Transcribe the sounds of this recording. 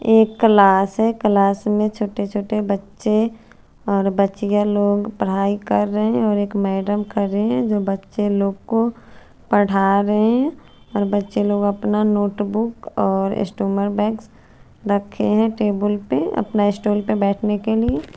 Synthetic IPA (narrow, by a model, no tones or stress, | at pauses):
eːkːlaːsɦɛklaːsmẽt͡ʃʰoːʈet͡ʃʰoːʈebɐtːʃe | ɔːɾbətːʃijaloːɡpəɽ̤aːikɐɾːəɦẽɔːɾeːkmɛːɖəmkəɾeɦɛ̃d͡ʒoːbɐtːʃeloːɡ̚ko | pəɽ̤aːɾəɦẽ | ɔːɾbətːʃeloːɡəpnanoːʈbʊkɔːɾɪ̰sʈuːməɾbɛ̃ːks | ɾəkʰeɦɛ̃ʈeːbəlpeɐ̰pnaɪsʈuːlpebɛːʈʰnekelie